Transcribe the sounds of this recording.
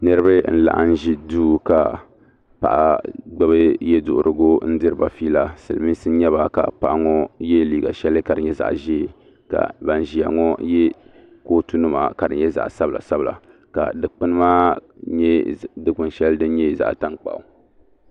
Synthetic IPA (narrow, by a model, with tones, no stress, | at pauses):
nɨ˦ɾɨ˦bɨ˦n̩˦la̰˨ʔa̰˦n̩˦ʒi˦duː˦ka˨ | pa̰˨ʔa̰˨ɡ͡bɛ˦bɨ˦jɛ˦dʊ˨ʔʊ̰˨ɾɨ˨ɡo˦n̩˦dɨ˦ɾɨ˦ba˨fiː˦la˨sɨ˨lɨ˨mi˦sɨ˦n˦ɲɛ˦ba˨ka̰˨pa˨ʔŋɔ˦jɛ˦liː˨ɡa̰˨ʃɛ˦lɨ˦ka˨dɨ˨ɲɛ˦za̰˨ʔʒi˦˨ | ka̰˨ba˨n˨ʒi˨a̰˨ŋɔ˦jɛ˦ | koː˦tu˦nɨ˦ma̰˨ka˨dɨ˨ɲɲɛ˦za̰˨ʔsa˦bɨ˨lʔa̰˨sa˦bɨ˨la̰˨ | ka̰˨dɨ˨k͡pɨ˦nɨ˦maː˦ | ɲɛ˦dɨ˦kʊ˨nʃɛ˦ldɨ˦n˦ɲɛ˦˨za̰˨ʔta˦ŋk͡pa̰˨ʔʊ̰˨